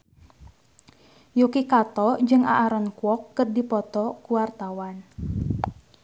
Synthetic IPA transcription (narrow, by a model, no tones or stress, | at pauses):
jokikat̪ɔd͡ʒɨŋʔa̰ʔaɾɔnkwɔkːət̪̚dipɔt̪ɔkuwart̪awan